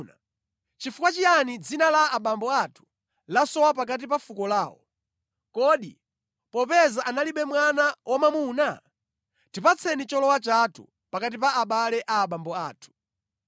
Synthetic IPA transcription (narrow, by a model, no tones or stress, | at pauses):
na | t͡ʃifukwat͡ʃijanid͡zinalaːɓambɔatʰu̥ | lasɔwap̬ak̬at̬ipafukɔlaːwɔ̰ | kɔɗi | pɔpɛzaʔanaliɓɛmwanawʔamamuːna | tipat͡sʰɛnit͡ʃɔlɔwat͡ʃatʰṵ | pakat̬ipaːɓalɛʔaːɓambɔaːtʰu̥